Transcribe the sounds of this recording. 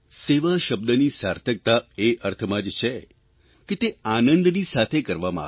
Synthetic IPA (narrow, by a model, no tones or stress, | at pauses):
seʋaʃəb̚d̪ənisaɾt̪ʰək̚t̪aeʔəɾt̪ʰəmãd͡ʒt͡ʃʰe | ket̪eanənd̪nisat̪ʰekəɾʋamã̰a̰